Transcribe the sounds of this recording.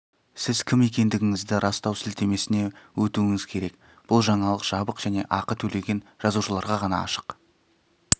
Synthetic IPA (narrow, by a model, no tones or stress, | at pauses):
sɪzkʲʰɪme̞kʲe̞nd̪ɪɡʲɪŋɪzd̪ɪɾʔɑst̪ɑwsɪlt̪e̞me̞sɪne̞wɵt̪uɪŋɪz̥kʲʰe̞ɾe̞k | b̥ʊlˠʒɑɴɑlˠəqʒ̥ɑbəqʒ̥æne̞ʔɑqət̪ʰɵle̞ɡʲe̞nʒ̥ɑzuʃəlˠɑɾʁɑʁɑnɑ̰ɑ̰ʃə̥q